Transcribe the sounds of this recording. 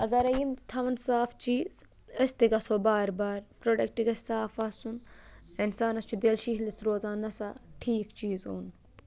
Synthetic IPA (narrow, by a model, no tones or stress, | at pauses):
ɐɡɐɾɐjimt̪ʰɐʋɐnsaːft͡ʃiːz | ɐst̪iɡɐsoːbaːɾbaːɾpɾoːɖɐk̚ʈiɡɐsaːfaːsuninsaːnɐst͡ʃʰud̪eːlʃiɦlɐsɾoːzaːnɐsaʈʰiːkt͡ʃiːzo̰ːn